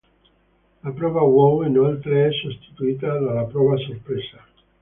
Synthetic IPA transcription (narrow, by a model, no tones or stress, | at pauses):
lapɾɔβawowenoalt̪ɾeɛsust̪i̥t̪uit̪aðalapɾɔβasoɾpɾesa